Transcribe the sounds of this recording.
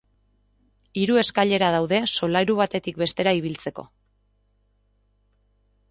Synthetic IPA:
iɾue̞skaʎe̞ɾað̞awðe̞so̞lajɾuβ̞at̪e̞t̪ik̚be̞st̪e̞ɾaiβ̞ilt͡se̞ko̞̰

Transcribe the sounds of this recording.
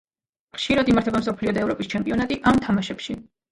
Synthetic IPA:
χʃiɾad̪imaɾt̪ʰɛbamsɔpʰliɔd̪aɛvɾɔpʼist͡ʃʰɛmpʼiɔnat̪ʼiʔamt̪ʰamaʃɛpʃi

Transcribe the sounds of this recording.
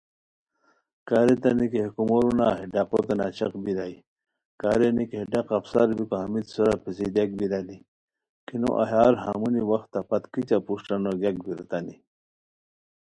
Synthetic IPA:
kaɾet̪ɐnikehkumoɾunaɦiɖaqot̪enat͡ɕɐqbiɾaji | kaːɾenikeɖaqɐfsaɾbikoɦɐmit̪soɾapesid̪jak̚biɾani | kino̰ʔa̰ɦaːɾha̰ːmuniwɐxt̪ːapɐt̪kit͡ɕapuʂʈanoɡak̚biɾɐt̪ani

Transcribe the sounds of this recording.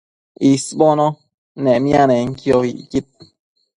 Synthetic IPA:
isbono | nemjaneŋkjohiʔjit̪̚

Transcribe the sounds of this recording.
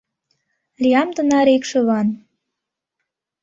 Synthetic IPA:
liɑmt̪ə̆nɑɾekʃø̆βɑn

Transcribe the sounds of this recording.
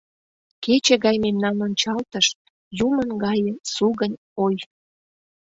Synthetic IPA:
ket͡ɕĕɣɑjmemnɑnonʲt͡ɕɑlt̪əʃ | jumənɡɑjəsuɣənʲ | oj

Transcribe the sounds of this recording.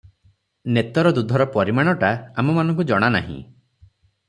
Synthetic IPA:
net̪ɔɾɔd̪ud̪ʱɔɾɔpɔɾimaɽ̃ɔʈaamɔmanɔ̃ŋk̬ud͡ʒɔɽ̃ana̰ɦḭ̃

